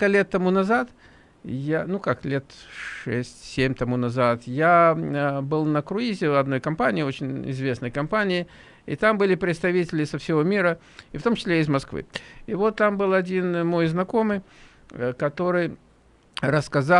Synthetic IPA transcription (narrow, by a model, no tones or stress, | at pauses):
kəlʲe̞t̪ːɐmunɐzat̪ | janukaklʲet̪ʂɛsʲtʲsʲemʲt̪ɐmunɐzat̪ja | bɨlˠnəkɾʊizʲɪɐd̪no̞jkɐmpanʲɪːo̞t͡ɕɪnʲɪ̰zvʲe̞snəjkɐmpanʲɪɪ | ɪ̰t̪ambɨlʲɪpɾʲɪt̪st̪ɐvʲitʲɪlʲɪsəfsʲɪvo̞mʲiɾə | ift̪o̞mt͡ɕɪsʲlʲeɪzmɐskvɨ̰ɪvo̞t̪ːambɨlˠɐdʲinmo̞jznɐko̞mɨj | kɐt̪o̞ɾɨj | ɾəskɐza